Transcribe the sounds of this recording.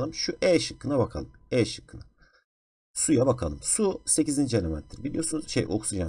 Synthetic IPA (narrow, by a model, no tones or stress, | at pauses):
lˠɯmʃuʔɛːʃɯkːɯnabakʰalˠɯmɛːʃɯ̥kʰːɯna | sujabakʰalˠɯmsuse̞cizind͡ʒianʲemɛ̰nt̪ʰiɾbilʲijo̞ɾsunuz̥ʃejʔo̰ksud͡ʒa